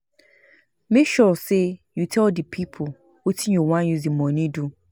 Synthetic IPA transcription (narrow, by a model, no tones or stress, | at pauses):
mekʃɔsejutʰɛldipʰipʰʊ | wetʰĩnjɔwãnjuzimɔ̃nĩdu